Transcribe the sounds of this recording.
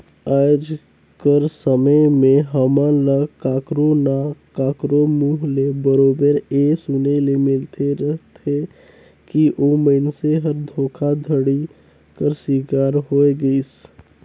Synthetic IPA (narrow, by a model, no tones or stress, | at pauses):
aːd͡ʒ | kəɾsəməjmẽɦəmãləkaːkɾonakaːkɾomuːɦlebəɾoːbəɾesʊnelemɪlt̪ʰeɾəɦt̪e | kiʔomənseɦəɾd̪ʱoːkʰad̪ʱəɽi | kəɾswiːkaːɾɦoːeɡəis